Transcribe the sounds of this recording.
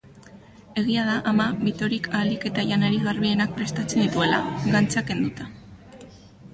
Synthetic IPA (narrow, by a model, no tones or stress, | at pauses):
e̞ɣ̞iaðaʔamaβit̪o̞ɾikʰaːlike̞t̪aʝanaɾiɣaɾβie̞nak̚pɾe̞st̪at͡se̞nd̪it̪ue̞la̰ɡant͡sake̞nd̪ut̪ḁ